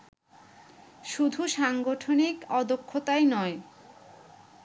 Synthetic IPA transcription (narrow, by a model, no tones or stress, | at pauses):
ʃud̪ʱuʃaŋɡoʈʰonikɔd̪okʰːot̪ajnɔe